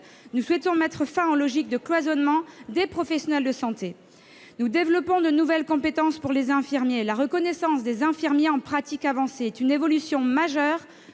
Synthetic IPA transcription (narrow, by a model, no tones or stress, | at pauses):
nuswɛt̪ɔ̃mɛt̪χəfɛ̃ɑlɔʒik̚d̪əklwazɔnmɑ̃d̪epχɔfɛsjɔnɛld̪əsɑ̃t̪e | nud̪evlɔpɔ̃d̪ənuvɛlkɔ̃pet̪ɑ̃spuʁlezɛ̃fiʁmjelaʁəkɔnɛsɑ̃sd̪ezɛ̃fiʁmjeɑ̃pχat̪ikavɑ̃seɛt̪ynevɔlysjɔ̃maʒœʁ